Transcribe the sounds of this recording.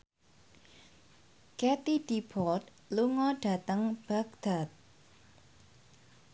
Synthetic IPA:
kɛt̪id̥ipɔt̪̚ | luŋɔɖ̥a̤t̪əŋb̥aɡd̪̥at̪̚

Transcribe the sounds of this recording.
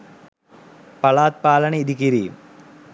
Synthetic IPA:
pɐɭaːt̪̚paːlɐneid̪ikiɾiːm

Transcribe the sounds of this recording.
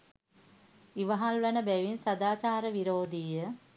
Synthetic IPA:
iʋɐɦalʋənəbæʋinsɐd̪aːt͡ʃaːɾəʋiɾoːd̪ijə

